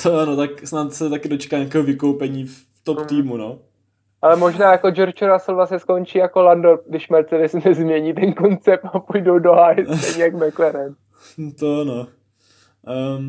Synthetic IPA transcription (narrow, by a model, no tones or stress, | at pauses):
t̪oanot̪aksnat̪sɛt̪akɪdot͡ʃɛ̥kaːɲakɛːɦovɪkowpɛɲiːf | t̪opt̪iːmuno | ʔalɛmoʒnaːjako̞d͡ʒoɾt͡ʃoɾasəlvlasɲɛsko̞nt͡ʃiːjakolandodɪʃmɛɾt͡sɛdɛsnɛzmɲɛɲiːt̪ɛnko̞nt͡sɛp̚t̪apujdowdoɦajsɛɲɛjakmɛklɛɾɛn | t̪oano